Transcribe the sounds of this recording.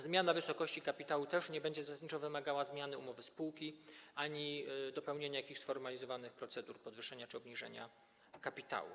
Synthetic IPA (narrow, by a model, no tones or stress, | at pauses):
zmʲjanavɘsɔkɔɕt͡ɕikapʲit̪awut̪ɛʂɲɛbɛɲd͡ʑɛzasaɲit͡ʂɔ̃vɘmaɡawazmʲjanɘumɔvɘspuwkʲiʔaɲid̪ɔpɛwɲeɲajakʲixsfɔɾmalʲizɔvanɘxpɾɔt̪sɛd̪uɾpɔd̪vɘʂɛɲat͡ʂɘɔbɲiʐɛ̰ɲa̰ | kapʲit̪a̰wṵ